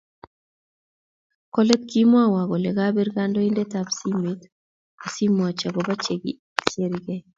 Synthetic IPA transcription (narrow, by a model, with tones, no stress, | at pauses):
kɔ˦le˦t̪ki˦mwa˦wa˨ɡɔ˨lɛ˨ɡa˦bi˦ɾɡa˦ndɔ˦i˦nde˦tabsi˦me˦t | o˨si˦m˨a˨t͡ʃa˨ɡɔ˨ba˦t͡ʃeɡi | t͡ʃe˦ɾiɡe˦